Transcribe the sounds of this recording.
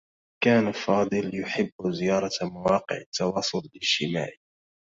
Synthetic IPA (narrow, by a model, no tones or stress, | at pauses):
kaːnafɑːd̪ˤɨljʊħɪbːzɪjɑːɾˤɑmawɑːqɪ̰ʕɪt̪ːɑwɑːsˤʊlɪlɪʃɪma̰ːʕi